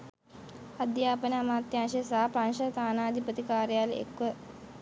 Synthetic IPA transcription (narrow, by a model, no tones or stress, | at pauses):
ad̪jaːpənəamaːt̪janʃəjsaɦapɾanʃɐt̪aːnaːd̪ʱipət̪ikaːɾjaːlḛkʋə